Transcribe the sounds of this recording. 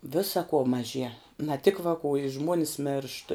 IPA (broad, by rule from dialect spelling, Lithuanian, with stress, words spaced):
ˈʋʲɪsɐ kuɔ mɐˈʒʲiɛ nɐ tʲɪk ʋɐkuː ɪ ˈʒmuɔnʲɪs mʲeːrʃt